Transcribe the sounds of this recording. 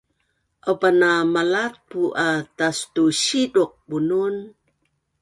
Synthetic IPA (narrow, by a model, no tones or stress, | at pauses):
ʔawpanamalat̪̚puʔatastuɕiduq̚bunun